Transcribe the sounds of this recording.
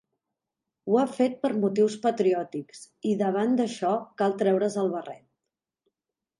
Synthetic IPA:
uafet̪̚pəɾmut̪iwspət̪ɾiɔt̪iks | iðəβ̞and̪əʃɔkalˠt̪ɾɛwɾəzəlˠβərɛ̰t̪̚

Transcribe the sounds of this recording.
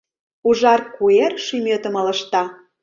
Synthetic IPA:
uʒɑrkuerʃymʲøt̪ə̆mə̆lə̆ʃt̪ɑ

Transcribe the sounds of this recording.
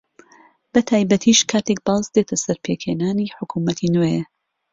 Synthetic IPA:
bɐt̪ʰaːjbɐt̪ʰiʃkʰaːt̪ʰek̚baːzd̪et̪ʰɐsɐɾpʰekhenaːniħʊkʰumɐt̪ʰineje

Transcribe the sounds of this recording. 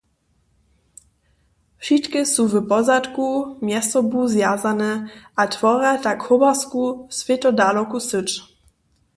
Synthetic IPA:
fʃit̪kɪsuvəpɔzat̪kumjɛst̪ɔbuzjazanɛʔat̪vɔɾɛt̪akhɔbaskusvjɛt̪ɔdaːlokusɪt͡ʃ

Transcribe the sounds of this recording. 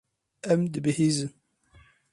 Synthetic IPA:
æmd̪bhizən

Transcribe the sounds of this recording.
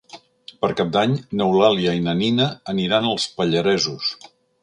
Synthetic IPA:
pəɾkap̚d̪aɲnəwlaliəinəninəːniɾanəlˠspəʎəɾɛzus

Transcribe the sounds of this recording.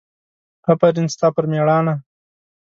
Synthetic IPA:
hɐpɐɾinst̪ɑːpəɾmeɽɑːna

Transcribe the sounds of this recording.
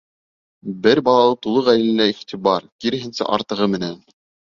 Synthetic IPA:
bɘɾbɑlˠɑlˠɤt̪ulˠɤʁæj̪ɘ̆lɘ̆næiχt̪iβɑɾkiɾɘ̆ɦɘ̆nsæ̰ʔɑɾt̪ɤ̆ʁɤmɘ̆næn

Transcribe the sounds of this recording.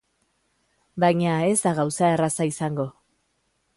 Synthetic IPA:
bajɲae̞zd̪aɣawsae̞rasaisaŋɡo̞

